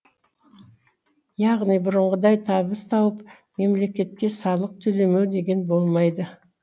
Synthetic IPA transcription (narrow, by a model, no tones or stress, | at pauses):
jɑʁnijbʊɾəɴʁəd̪ɑjt̪ʰɑbəst̪ʰɑwəp | me̞mle̞kʲe̞t̪̚kʲe̞sɑlˠəq̚t̪ʰɵle̞mewd̪e̞ɡʲe̞nbo̞lˠmɑjd̪ə